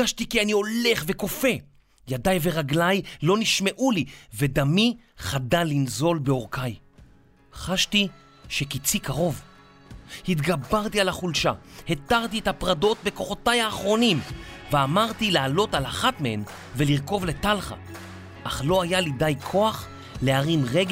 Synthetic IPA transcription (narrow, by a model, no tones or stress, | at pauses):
aʃtikianio̞le̞χveko̞fe̞ | jadajveʁaɡlajlo̞niʃme̞ʔulived̪ami | χadalinzo̞lbeo̞ʁkaj | χaʃti | ʃekit͡sikaʁo̞v | hit̪ɡabaʁtialaχulʃahetaʁtiethapʁado̞t̚be̞ko̞χo̞tajaːχʁo̞nimveamaʁtilaːlo̞talaχatmehen | veliʁko̞vletalχa̰ | ʔaχlo̞ajalidajkʰo̞aχ | leaʁinʁeɡ